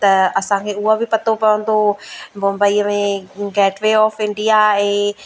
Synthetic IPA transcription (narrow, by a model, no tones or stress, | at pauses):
t̪ɐɐsãkʰeːuɦabʱipɐt̪opɐʋə̃nd̪omʊ̃mbəimẽɡɛːʈʋeɔːfɪ̃ɳɖijaeː